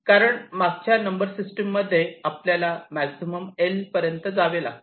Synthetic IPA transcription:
kaɾəɳmaɡ̚t͡ɕjanəmbəɾsisʈəmːəd̪ʱːjeapljalamæksiməmelpəɾjənt̪əd͡zaʋela̰

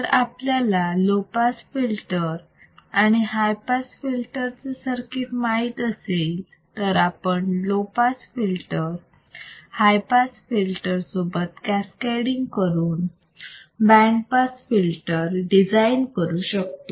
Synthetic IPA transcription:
əɾapljalalopasfilʈəɾ | aɽ̃iɦajpasfilʈəɾt͡səsəɾkiʈmaiːt̪əsel | t̪əɾapəɳlopasfilʈəɾ | hajpasfilʈəɾsobət̪̚kæskaɽiŋɡkəɾuːn | bæ̃ɳpasfilʈəɾɖid͡zainkəɾuːɕək̚t̪o

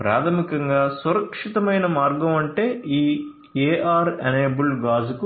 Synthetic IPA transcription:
pɾa̰ːt̪ʰɐmikɐŋɡaːsuɾɐkʂit̪ɐmɐjnɐmaːɾɡɐmɐɳʈe̞ːiː | eːʔaːɾɐ̰neːbulɡaːzuku

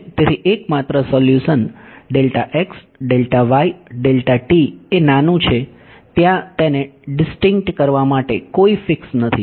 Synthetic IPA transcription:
t̪eɾiʔekmat̪ɾəsɔljuʃənɖelʈaʔeks | ɖelʈaʋaiɖelʈaʈienanũt͡ʃʰe | t̪jãt̪eneɖɪsʈɪŋk̚ʈkəɾʋamaʈekoifɪksnət̪ʰi

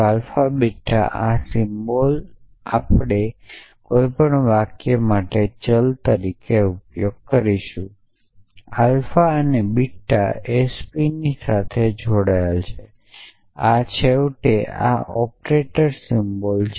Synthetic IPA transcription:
alfabiʈʰːa̰ʔasimbol | a̰pɽ̃e | kojpəɳʋakjemaʈet͡ʃəlt̪əɾikeupjoɡ̚kəɾiʃũ | alfaənebiʈʰːa̰espinisat̪ʰed͡ʒʱoɽajelt͡ʃʰe | at͡ʃʰewʈea̰ʔɔpɾeʈəɾsimbol

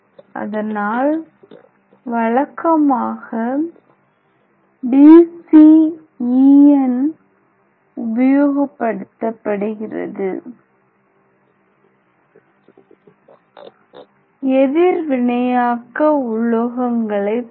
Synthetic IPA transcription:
ʔɐ̰ðɐnaːl | ʋɐɭɐkːɐmaːɣɐ | ɖiːsi | iːɛn | ʊbɐjoːɣɐpːɐɽɯt̪ːɐpːɐɽɯɣɪrɐ̰ðɯ | ɛðɪɾʋɪɳɐjaːkɐʊɭoɣɐŋɡɐɭɐɪ

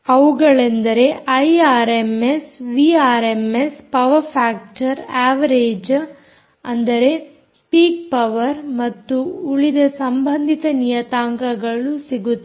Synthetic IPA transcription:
ɐʋuɡɐɭe̞nd̪ɐɾe̞ʔɐjaːɾemesʋiaːɾemespɐʋɐɾpʰaːk̚ʈɐɾaːʋɐɾeːd͡ʒ | ɐ̰nd̪ɐɾe̞ | spiːk̚pɐʋɐɾmɐt̪ːuːɭid̪ɐsɐmbʱɐnd̪ʱit̪ɐnijɐt̪aːŋɡɐɡɐɭusiɡut̪ːe

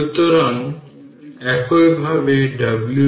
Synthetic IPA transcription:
ut̪oɾan | ɛkʰojbʱabeɖablu

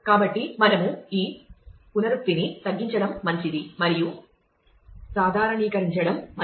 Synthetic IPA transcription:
kaːbɐʈːimɐnɐmuiːkunɐɾuk̚t̪init̪ɐɡːiɲt͡ʃɐɽɐmːɐɲt͡ʃid̪imɐɾiju | saːd̪ʱaːɾɐɳiːkɐɾiɲt͡ʃɐɽɐmːɐ

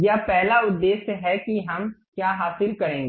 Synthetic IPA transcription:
japɛɦlaʊd̪ːeːsɦɛkiɦɐmkjaːɦaːsɪlkɐɾẽːŋɡe

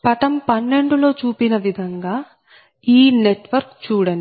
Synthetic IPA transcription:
pɐʈɐmpɐnːe̞ɳɖulo̞ːt͡ʃuːpinɐʋid̪ʱɐŋɡaː | iːne̞ʈʋɐɾkt͡ʃuːɽɐni

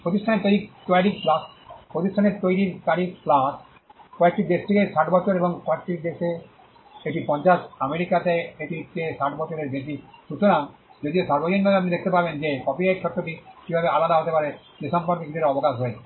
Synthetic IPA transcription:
pɾot̪̬isʈʰaneɾt̪ojɾikt̪oaɾik̚plãspɾot̪isʈʰaneɾt̪ojɾiɾkaɾikplas | kɔek̚ʈid̪eʃt̪ʰekesaʈbɔt͡ɕoɾeboŋkɔek̚ʈiɾd̪eʃe | ek̚ʈipɔ̃nt͡ɕaʃameɾikat̪eeʈit̪eʃaʈbɔt͡ɕoɾeɾb̪et̪iʃut̪oɾamd͡ʑod̪iosaɾbod͡ʑonːɔapnid̪ek̚ʰt̪epaɾbend͡ʑekɔpiajkt͡ɕʰɔʈːoʈikibʱabeʔalad̪aɦot̪epaɾe | lisampaɾkikiʈeɾɔbokaʃɦoe

